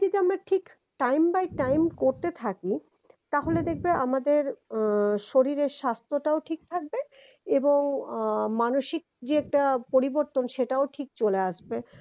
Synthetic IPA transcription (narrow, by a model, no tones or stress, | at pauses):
t̪it̪amɾaʈʰik | ʈajmbajʈajmkoɾt̪et̪ʰaki | t̪aɦoled̪ek̚ʰbeʔamad̪eɾ | ʃoɾiɾeɾʃast̪ʰoʈaoʈʰik̚t̪ʰak̚be | eboŋmanoʃik̚d͡ʑiɛk̚ʈapoɾiboɾt̪onʃeʈaoʈʰik̚t͡ɕoleaʃbe